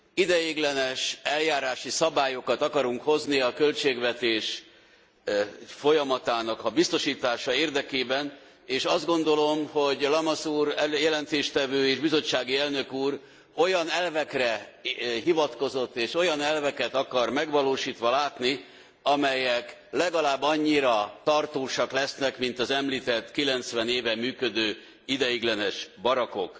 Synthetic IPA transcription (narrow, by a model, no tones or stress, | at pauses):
id̪ɛjiːɡlɛnɛʃɛljaːɾaːʃisɒbaːjo̞kɒt̪ɒkɒɾuŋkho̞zniɒkølt͡ʃeːɡʋɛt̪eːʃ | fo̞jɒmɒt̪aːnɒkɒbist̪o̞ʃiːt̪aːʃɒeːrd̪ɛkeːbɛn | eːʃɒzd̪ɡo̞nd̪o̞lo̞mho̞ɟlɒmɒsuːrjɛlɛnt̪eːʃt̪ɛvøːeːʒbizo̞t͡ʃːaːɡiɛlnø̞kuːr | ojɒnɛlvɛkrɛɦivɒt̪ko̞zo̞t̪ːeːʃo̞jɒnɛlvɛkɛt̪ɒkɒrmɛɡʋɒloːʃiːt̪ʋɒlaːt̪ni | ɒmɛjɛklɛɡɒlaːbːɒɲːiɾɒt̪ɒrt̪oːʃɒklɛsnɛkmint̪ɒzɛmliːt̪ɛt̪ːkilɛnt̪sʋɛneːvɛmyːkø̞d̪øː | id̪ɛjiɡlɛnɛʃbɒɾɒko̞̰k